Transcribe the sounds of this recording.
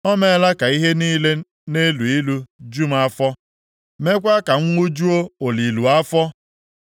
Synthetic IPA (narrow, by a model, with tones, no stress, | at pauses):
ɔ˦me˦la˦ka˨i˦ɦe˦niː˦le˦ | ne˦lu˨i˦lu˦d͡ʒu˦m̩˦a˦fɔ˦ | me˦kʷa˦ka˨ŋ̩˦ŋʷu˦d͡ʒu˦o˦o˨li˨lu˨a˦fɔ˦